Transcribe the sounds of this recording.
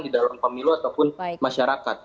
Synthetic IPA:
ŋdidalampəmiluat̪awpʊnmaʃaɾakat̪̚

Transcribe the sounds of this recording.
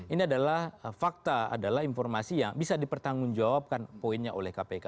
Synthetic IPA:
iniadalahfak̚t̪aa̰dalahinfɔrmasijaŋbisadipərt̪aŋʊnd͡ʒawap̚kanpoinɲaʔolɛhkapeka

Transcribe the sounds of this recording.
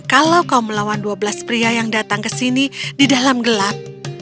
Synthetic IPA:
kalawkauməlawanduabəlaspɾiajaŋdat̪aŋkəsinididalamɡəlap̚

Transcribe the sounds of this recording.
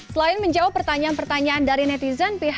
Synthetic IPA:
səlaɪnməɲd͡ʒaupːərt̪aɲaanpərt̪aɲaːndaɾinɛt̪izanpiɦ

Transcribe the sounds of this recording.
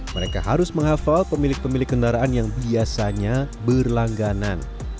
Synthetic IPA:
məɾeka̰ɦaɾʊsməŋɦafalpəmilɪk̚pəmilɪkːəndaɾaanjaŋbiasaɲabərlaŋɡanan

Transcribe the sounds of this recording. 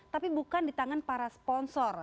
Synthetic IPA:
t̪apibukandit̪aŋanpaɾaspɔnsɔr

